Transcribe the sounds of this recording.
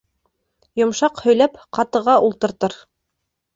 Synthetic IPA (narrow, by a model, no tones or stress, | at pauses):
jŏmʃɑqhɵ̆jlæpqɑt̪ɤ̆ʁɑʔulˠt̪ɤ̆ɾt̪ɤɾ